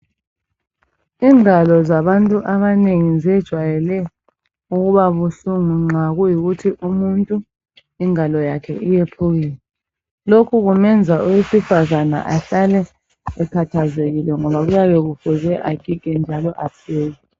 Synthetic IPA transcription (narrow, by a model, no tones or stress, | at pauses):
iːŋalɔzaβantʼuʔaβaneŋizɛd̥ʒ̥ʱwajɛlɛ | uɣuβaβuɬuŋuŋ͡ǁaɣujiɣutʰiʔumuntʼu | iŋalɔjakʰɛ̰ʔijepʰuɣilɛ | lokʰuɣumɛnd͡zʱauwesifazana̰ʔaɬalɛ | ɛkʰatʰazeɣilɛŋɔβaɣujaβɛɣufuzɛʔakʼikʼɛnd͡ʒʱalɔʔapʰeːji